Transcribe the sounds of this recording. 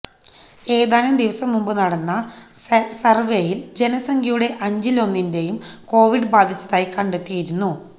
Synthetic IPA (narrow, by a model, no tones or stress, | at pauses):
e̞ːðaːnɐmd̪iʋɐsɐmːumbɨnɐɽɐnːɐ | sɐrʋe̞jild͡ʑe̞nɐsɐŋɡʱɐjuɽe̞ʔɐɲd͡ʑilo̞nːinde̞jumko̞ːʋiɖɨbaːd̪ʱit͡ɕːɐðaːjikɐɳɖet̪ːijiɾunːu